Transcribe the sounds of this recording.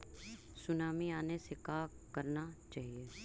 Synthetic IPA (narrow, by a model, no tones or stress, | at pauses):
sʊnaːmiaːnesekaː | kɐɾnat͡ʃaːɦieː